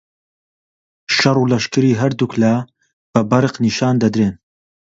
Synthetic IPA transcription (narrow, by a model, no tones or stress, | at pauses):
ʃɐrˤuːlɐʃkɨɾiːɦɐɾd̪ukla | b̥ɐbɐɾɨqniʃɑːnd̪ɐd̪ɾeːn